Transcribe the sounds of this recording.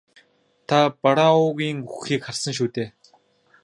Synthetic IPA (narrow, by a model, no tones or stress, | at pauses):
t̪ʰapaɾaʊɣiːŋuxiːkχarsə̆ŋʃ̬uːt̪eː